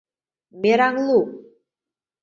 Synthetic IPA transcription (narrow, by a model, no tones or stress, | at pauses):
meɾaŋlˠu